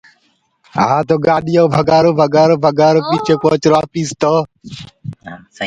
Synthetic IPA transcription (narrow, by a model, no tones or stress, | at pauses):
ɦãːt̪oːɡaːɗɪjoːbʱəɡaːɾoːbʱəɡaːɾoːbʱəɡaːɾoːpiːt͡ʃʰeːkoːt͡ʃɾaːpiːst̪oː